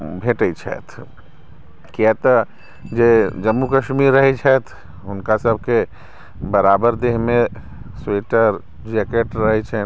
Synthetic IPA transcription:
bʱeːʈəit͡ʃʰɛ̰ːt̪ʰ | kjɛt̪ɐ | d͡ʒeːd͡ʒɐmːukəʃmiːɾːɐɦet͡ʃʰɛt̪ʰ | ʊnkasɐb̚ʱke | bɐɾaːbəɾd̪eɦmẽ | sweːʈəɾ | d͡ʒɛːkeʈɾɐɦet͡ʃʰɛ

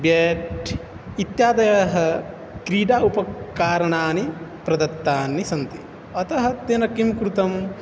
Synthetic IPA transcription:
bjeʈʰ | it̪jaːd̪ɐjɐɦɐ | kɾiːɖaːupɐkaːɾɐɳaːnipɾɐd̪ɐt̪ːaːnːisɐnt̪i | ɐt̪ɐɦɐ̆t̪jɐnɐkimkɾut̪ɐm

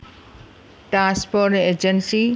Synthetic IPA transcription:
ʈɾãspoɾʈed͡ʒənsi

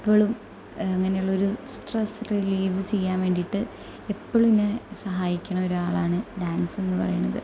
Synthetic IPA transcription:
ipːoːɭum | ɐŋːɐne̞juɭːɐo̞ɾusʈresriliːʋɨt͡ɕe̞jːaːnʋe̞ːɳɖiʈːɨ | epːoɭuminːesɐɦaːjikʲːɐɳɐmo̞ɾuaːɭaːɳɨɖaːnsenːɨpɐ̰rɐ̰junːɐðɨ

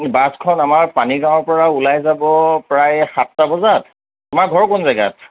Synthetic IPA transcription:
baskʰɔnamaɹpaniɡãw̃ɔɹpɔɹaulajzabɔpɹajxatːabɔzat | tʊmaɹɡʱɔɹɔkʊnzaɡa̰t̚

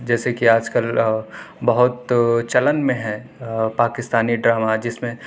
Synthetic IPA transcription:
d͡ʒɛːsekiaːd͡ʒkəl | bɐɦʊt̪t͡ʃɐlənmẽɦɛ̃paːkɪst̪aːniɖɾaːmad͡ʒɪsmẽ

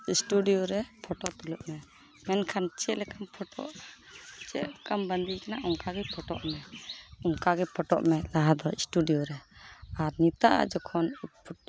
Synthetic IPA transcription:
isʈuɖijoɾɛpʰɔʈɔt̪uluʔmɛ | mɛnkʰant͡ʃɛʔlɛkampʰɔʈɔ̰ʔ | t͡ʃɛʔkambənd̪ikanaʔɔŋkaɡɛpʰɔʈɔ̰ʔmɛɔŋkaɡɛpʰɔʈɔ̰ʔmɛlaɦad̪ɔisʈuɖijoɾɛaɾnit̪aʔa̰d͡ʒɔkʰɔnpʰ

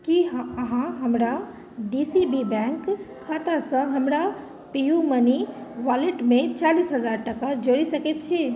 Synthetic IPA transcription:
kiɦɦãɦɐmɾa | ɖisibibɛ̃ŋk | kʰːat̪asə̃ɦɐmɾa | pijũməniʋaːleʈmẽt͡ʃaːliːsɦɐzaːɾʈɐkad͡ʒoɽisɐket̪̚t͡ʃʰe

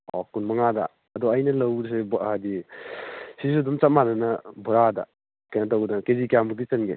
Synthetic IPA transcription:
ɔkunmɐŋadɐ̰ː | dɔɐjnɐlɐwɾs̬ebdi | sis̬udumt͡ʃat̚mananɐbuɾadɐ̰ | kajnɐtawɡdakezikijambuk̚dit͡ʃɐnɡe

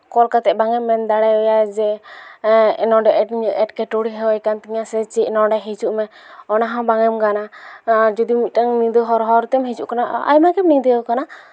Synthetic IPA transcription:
kɔlkat̪ɛʔbaŋɛmːɛnd̪aɽɛɔjad͡ʒɛ | nɔ̃ɖɛʔɛʈɲɛʈkɛʈoɽiɦɛwajkant̪iɲasɛt͡ʃɛnɔɖɛɦet͡ʃuʔmɛ | ɔnaɦãbaŋɛmkanad͡ʒɔd̪imit̪̚ˀtaŋnĩd̪əɦɔɾɦɔɾt̪ɛmɦet͡ʃuʔkanaa̰jmakɛmnid̪əwkana

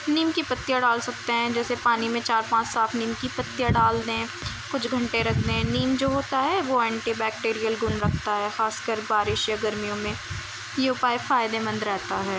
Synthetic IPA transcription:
niːmkipɐt̪ːijaɖaːlsɐk̚t̪eɦɛ̃d͡ʒɛːsepaːnimẽt͡ʃaːɾpãːt͡ʃsaːfʰniːmkipɐt̪ːijaɖaːld̪eɦɛ̃ː | kʊt͡ʃʰɡʱɐ̃ɳʈeɾɐkʰd̪eɦɛ̃niːmd͡ʒoːɦoːt̪aɦɛʋoɛ̃ːɳʈibɛːk̚ʈeːɾijəlɡʊnɾɐkʰt̪aɦɛːxaːskəɾbaːɾɪʃjaɡɐɾmijõmẽ | jeʊpaːefaːɪd̪emɐ̃nd̪ɾɛɦt̪aɦɛː

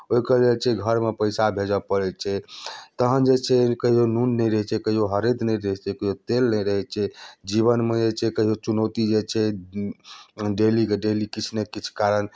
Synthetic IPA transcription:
oɦikəlelt͡ʃʰɛɡʱəɾmepəjsabʱed͡ʒəpəɾɛt͡ʃʰɛt̪əɦənd͡ʒet͡ʃʰɛkəɦijonunːəjɾəɦɛt͡ʃʰɛkəɦijoɦəɾed̪ʱnəjɾəɦɛt͡ʃʰɛkəɦijot̪elnəjɾəɦɛt͡ʃʰɛd͡ʒiβənmed͡ʒet͡ʃʰɛkəɦijot͡ʃunot̪id͡ʒet͡ʃʰɛ | ɖelikeɖelikit͡ʃʰnekit͡ʃʰkaɾən

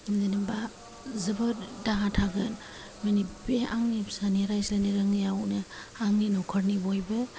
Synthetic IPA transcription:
zaniba | zɯbɔdaɦatʰaɡɯn | manibeaŋnisaniɾajslaniɾaŋnijawnɯaŋninɔkʰɔɾnibɔjbɯ

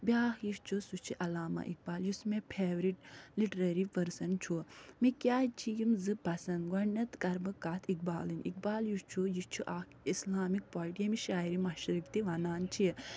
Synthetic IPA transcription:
biaːkjist͡ʃʰusut͡ʃʰiʔɐlaːma̰ʔḭk̚baːljusmepʰeːʋɾiʈliʈɾɐɾipɐɾsɐnt͡ʃʰumikjaːt͡ʃʰijimzɨpɐsɐnɡɐnɐt̪kɐɾbɨkaːt̪ʰik̚baːlɨnʲḭk̚baːljuʃt͡ʃʰujit͡ʃʰuʔaːk | islaːmik̚paːlʈjemiʃaːiɾimɐʃɾikt̪iʋanaːnt͡ʃʰi

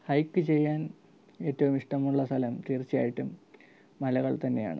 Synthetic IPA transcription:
hɐjkːɨt͡ɕe̞jːaːn | e̞ːtːɐʋumiʂʈɐmuɭːɐst̪ʰɐlɐmt̪iːrt͡ɕːija̰ːjiʈːumː | ɐlɐɣɐɭt̪ɐnːe̞ja̰ːɳɨ̰

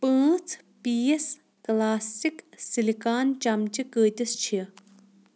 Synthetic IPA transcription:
pə̃ːt͡sʰ | piːes | klaːsiksilikaːnt͡ʃɐmt͡ʃikəːt̪ʲist͡ʃʰi

